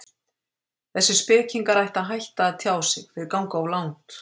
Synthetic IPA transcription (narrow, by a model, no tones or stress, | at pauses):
θɛsːɪ̥spɪːciŋkaɾajht̪aðɦajht̪aːðt̪ʰjaːwsɪɣfɪɪɾkaw̃ŋkaawlawŋt̪